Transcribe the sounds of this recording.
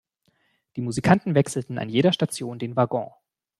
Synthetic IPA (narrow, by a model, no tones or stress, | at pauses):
d̥iːmuzikʰantn̩vɛksl̩tn̩a̰njeːɾɐʃtat͡sjoːndeːnvaɡɔ̰̃ː